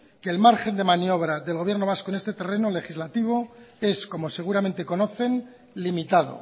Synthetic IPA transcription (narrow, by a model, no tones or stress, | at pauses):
ke̞ːlmaɾxe̞nd̪e̞manjo̞β̞ɾaðelɣo̞βje̞rno̞β̞askoenest̪e̞t̪e̞re̞no̞le̞xizlat̪iβ̞o̞e̞sko̞mo̞se̞ɣ̞uɾamẽ̞nt̪e̞ko̞no̞θe̞n | limit̪að̞o̞̰